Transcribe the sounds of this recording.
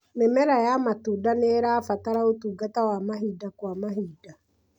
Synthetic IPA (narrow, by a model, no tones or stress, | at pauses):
mɛmɛɾajamatudaneɾaːfataɾaotuːɡatawamaɦiːdakwamaɦiːda